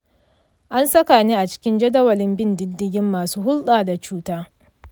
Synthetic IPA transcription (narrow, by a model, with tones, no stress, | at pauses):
ʔa˦nsɐ˦ka˨niː˦ʔa˨t͡ʃɪ̥˦kʲɪ˦nd͡ʒɐ˦dɐ˦wɐ˨lɪ˦mbɪ˦ndɪ˦dːɪ˦ɡʲɪ˦mːaː˨suː˦hʊ˦lɗaː˨da˨t͡ʃuː˦taː˦